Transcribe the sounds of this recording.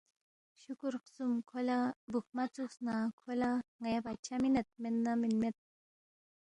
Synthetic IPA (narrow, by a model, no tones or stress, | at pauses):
ʃukuɾqsumkʰolabuk̚mat͡susnakʰolaŋajabat͡ʃʰaminet̪̚menːaminmet̪̚